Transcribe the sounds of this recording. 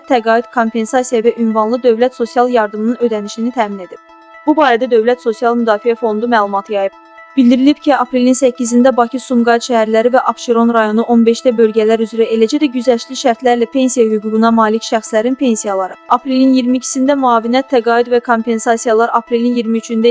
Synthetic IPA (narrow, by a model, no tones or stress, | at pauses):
t̪ʰːæɡɑːid̪̥kʰo̞mpʰe̞nsɑsijɑvæʔynvɑnlˠɯd̪ø̞vlæt̪so̞sijɑlˠjɑɾd̪ɯmɯnɯnø̞d̪æniʃinit̪ʰæːmine̞d̪ib̥̚ | b̥ubɑːɾæd̪æd̪ø̞vlæt̪so̞sijɑlˠmyd̪ɑːfiæfo̞nd̪umæːlˠumɑt̪ʰɯjɑjɯb | b̥ilʲd̪iɾilipcʰiɑpɾe̞linsæcʰːizind̪æbɑcʰisumɡɑd̪ʃæhæɾlæɾivæʔɑpʃeɾo̞nɾɑjo̞nuʔo̞nbe̞ʃd̪æbø̞lɟælæɾyzɾæʔe̞læd͡ʒæd̪æɟyzæʃliʃæɾt̪ʰlæɾlæpʰe̞nsijɑhyɡuːɡunɑmɑːlicʃæxslæɾinpʰe̞nsijɑlˠɑɾɯɑpɾe̞linjiɾmicʰi̥sind̪æmuɑːvinjæt̪ʰːæɡɑːid̪vækʰo̞mpe̞nsɑsijɑlˠɑɾɑpɾe̞linjiɾmiyt͡ʃʰynd̪æ